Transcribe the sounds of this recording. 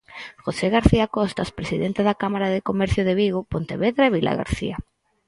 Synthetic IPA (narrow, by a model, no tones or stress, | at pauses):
xoseɣaɾθiakɔst̪aspɾesiðent̪eðakamaɾaðekomɛɾθjoðeβiɣopont̪eβeðɾaeβilʔa̰ɣa̰ɾθḭa